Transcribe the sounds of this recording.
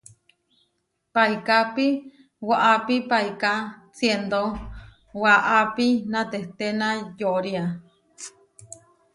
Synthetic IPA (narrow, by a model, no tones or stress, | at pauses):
pajkapi | waʔapipajkasjend̪o | waʔapinãt̪eht̪enajoʔɾia